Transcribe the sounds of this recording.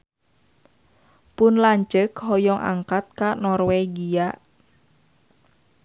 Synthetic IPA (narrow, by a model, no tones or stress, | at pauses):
pʊnlaɲt͡ʃəkɦɔjɔŋʔa̰ŋkat̪̚kanɔrweɡia